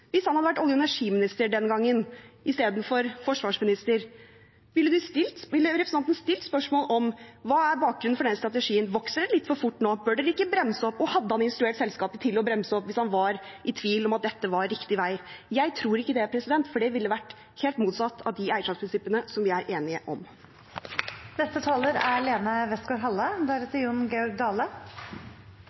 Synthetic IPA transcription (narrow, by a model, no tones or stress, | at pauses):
ʋɪshɑnhɑd̪əʋæʈːɔljʊɛnæʂiːmɪnɪst̪əɖɛnɡɑŋːənʔɪst̪eːd̪n̩fɔɾfɔʂʋɑːʂmɪnɪst̪əɾ | ʋɪlːəd̪ʉst̪ɪlt̪ʋɪlːəɾɛpʰɾsnɑnt̪ənst̪ɪlt̪spœʂmoːlʔɔmʋɑːæɾbɑːk̚ɡɾʉnn̩fɔɖɛnəst̪ɾɑt̪ɛʂiːənʋɔksəɾəlɪt̪ːfɔɾfʊʈːnoːbøːɖɛd̪ɪkːəbɾɛmːsəɔpːɔhɑd̪ːəhɑnɪnst̪ɾʉeːʈsɛlskɑːpət̪ʰɪlɔbɾɛmsəɔpːʋɪshɑnʋɑɾʔɪt̪ʰʋiːlɔmɑt̪̚d̪ɛt̪ːəʋɑɾɾɪkt̪ɪʋæɪjæɪt̪ʰɾuːɾɪkːəd̪ɛpʰɾɛsɪd̪ɛnt̪fɔɖɛʋɪlːəʋæʈː | heːlt̪muːt̪sɑt̪ːɑ̰ʋd̪ɪæɪʂɑt̪spʰɾɪnsɪpːənəsɔmʋɪæɾʔeːnɪəʔɔ̰m | nɛst̪ət̪ʰɑːləɾæ̰leːnəʋɛst̪ɡoːɾɦɑlːəd̪ɑːɾət̪ʰɪjunɡɛɔɾɡ̚d̪ɑːlə